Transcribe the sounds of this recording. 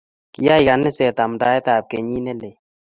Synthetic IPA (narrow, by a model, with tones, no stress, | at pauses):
ki˨ja˦i˨ka˨nɛ˦sɛ˨t̪a˨m˨da˨˦ɛ˦t̪a˨p̚ke˨ɲi˦nɛ˦le˨